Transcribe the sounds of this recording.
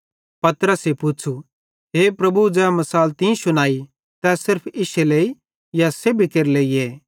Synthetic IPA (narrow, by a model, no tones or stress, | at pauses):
pɐt̪ɾəsepʊt͡ʃʰu | ɦeːpɾɐbud͡ʒɛːmɐsaːlt̪ĩsʊnaːi | t̪ɛsɪɾpʰɪʃelei | jasebʱikeɾleːieː